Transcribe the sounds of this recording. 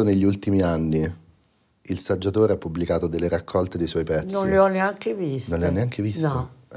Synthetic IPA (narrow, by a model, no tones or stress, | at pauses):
oneʎːiult̪imianːi | ilsad͡ʒːat̪oːɾeapːublikaːt̪od̪elːeɾakʰːɔlt̪ed̪ejswɔjpɛt̪snionleɔnːeaŋkevistnonleanːeaŋk̟evistn